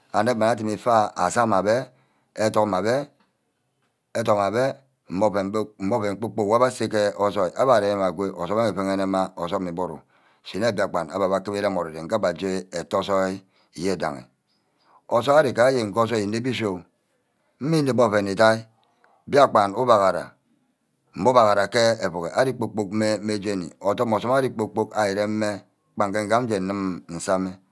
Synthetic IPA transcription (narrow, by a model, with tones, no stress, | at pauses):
a˨ne˦ma˨na˦t̬i˨mi˨fa˦a̰˨sa˦˨ma˨be˦ | e˦to˦kma˨be˦ | e˦to˨kma˨be˦ | m̩˨˦bo˦pe˨˦m̩˨˦bo˦fe˨ŋ͡m̩˨˦k͡po˦k͡po˦˨wa˦ba˦se˦ke˦o˦so˦i˨ʔa˦ba˨ɾe˨ne˦ma˨ɡʷe˦ʔo˨so˦a˦e˨fe˦ŋe˦ne˦ma˦o˨so˦kmi˨bo˦ɾo̰˨ | si˨ne˦˨bi˦a˨k͡pa˨na̰˨ba˨ba˨ke˦be˦ɾa˦˨mo˨ɾe˨e˨ŋ̩˨ka˦ba˨d͡ʒe˦e˨to˦so˦i˦ | i˨je˦e˨da̰˨ŋḛ˨ | o˨so˦a˦ɾi˨ka˨˦je˨ŋ̩˨ko˦so˦i˨ne˦bi˦s̬o˦˨ | m̩˦mi˦ni˨bo˦˨fe˨ne˨ta˦i˦˨ | bi˦a˦k͡pa˨nu˦ba˨ɣa˨ɾa̰˨ | m̩˨bo˦ba˨ɣa˨ɾa˨ke˦e˨fo˨ɣe˨ʔa˦di˦k͡po˦k͡po˦˨k̚me˦me˦d͡ʒe˦˨nḭ˨o˨to˦m˨o˨sɔ˦ma˦di˦k͡po˦k͡po˦ka˨je˨ɾe˦m̩˦me˦ | k͡pa˨ŋ˨ke˦ŋ̩˦ɡa˦m̩˦d͡ʒe˨n̩˨nɨ˦mn̩˨sa˦me˦